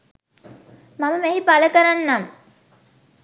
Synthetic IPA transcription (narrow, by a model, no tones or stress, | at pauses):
maməmeɦipaləkɐɾanːaŋ